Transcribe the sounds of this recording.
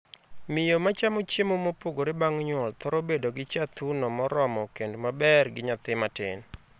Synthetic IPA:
mɪjomat͡ʃamot͡ʃemomopoɡoɾɪbaŋɲwɔlt̪ɔɾobedoɡɪt͡ʃat̪unɔmɔɾɔmɔkendmabɛrɡɪɲat̪ɪmatɪ̰n

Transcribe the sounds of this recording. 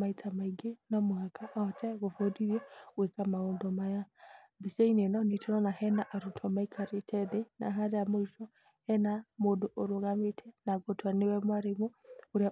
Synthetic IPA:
maitʰamaiɡenɔmohakaʔaɔtʰɛɣofodiðjɛɣwekamaoːndɔmaja | biseinenɔnitɔnɔnahɛnaʔaɾotʰɔmaikʰaɾetʰɛðena̰ɦaɾeamoiʃɔ | hɛnamodoʔoɾoɣametʰɛnaɡotoanewɛmwaɾemooɾea

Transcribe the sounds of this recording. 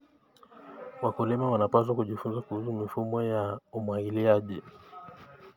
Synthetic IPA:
wakulɛmawanapas̬wakuʄifunzakuhus̬umifumɔjaumwaŋiliaʄi

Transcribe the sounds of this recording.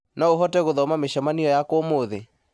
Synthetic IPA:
naoɦɔtɛɣoðɔmameʃɔmaniɔjakwomoðe

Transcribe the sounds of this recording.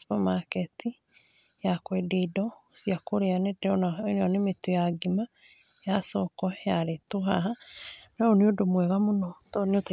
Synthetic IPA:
spɔmakɛti | jakwededɔsiakoɾeanedɛɔnanɔnemetojaɡima | jasɔkɔjaɾetoɦaɦanaoneodomwɛɣamonɔtɔneota

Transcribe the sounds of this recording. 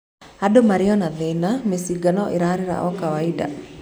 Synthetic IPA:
adomaɾiɔnaðenamesiɡanɔʔiɾaɾiɾa̰ʔɔkawaida̰

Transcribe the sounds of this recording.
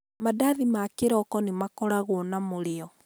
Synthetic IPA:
madaðimakeɾɔkɔnemakɔɾaɣwːnamoɾeɔ

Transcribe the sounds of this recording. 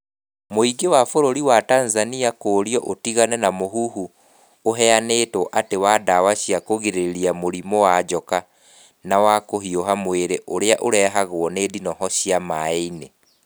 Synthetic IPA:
moiɡewafoɾoɾiwatanzaniakoːɾiɔʔotiɣanɛnamoɦuɦu | oɦɛanetoʔatewadawaɕiakoɣeɾeɾiamoɾimowad͡ʒɔka | nawakohioɦamweɾeʔoɾeaʔoɾɛɦaɣwɔnedinɔɦɔɕijamaine

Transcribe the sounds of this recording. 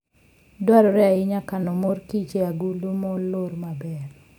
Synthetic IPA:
dwaɾɔɾɛaɪɲakanɔmoɾkit͡ʃeaɡulumɔloɾmabɛr

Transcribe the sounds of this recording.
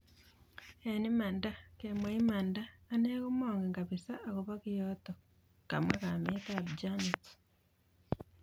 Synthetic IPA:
enimandakemoimandaːneɣomoːŋɡeŋɡaβisaʔaɣoβaɣijoto | ɡ̥a̰mwekametabd͡ʒanit

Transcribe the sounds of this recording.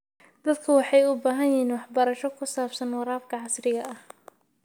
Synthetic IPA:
d̪̥ɐd̪kʰɐwɑħɑjʊbaːɦɐjɪiːnwɑħbɐɾɐʃɔkʰʊsaːbsɐnwɑɾaːfkʰɐʕɑsrɪɣɐʔɐh

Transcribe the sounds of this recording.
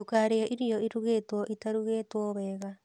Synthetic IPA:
ukaɾeɔʔiɾijɔiɾuɣeːtwɔʔitaɾuɣeːtwɔβɛːɣa

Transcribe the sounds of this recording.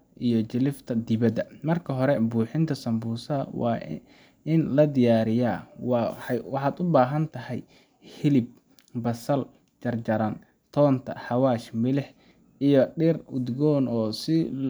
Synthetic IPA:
ʔijɔt͡ʃɪlɪft̪ʰɐd̪ɪβɐd̪ɐmɐrkʰɐɦɔɾɛbuːħɪnt̪ʰɐsɐmbuːsɐɐ̰wɑ̰ː | ɪnlɐd̪ɪjaːɾɪjaːwɑwɑħɑːd̪ʊbaːɦɐnt̪ʰɐhɛj | hɪlɪb̚ | bɐsɐl | t͡ʃɐrt͡ʃɐɾɐn | t̪ʰɔːnt̪ʰɐ̰ħɑwaːʃmɪlɪħ | ijɔɖɪrʊd̪ɡɔːnɔːsɪ

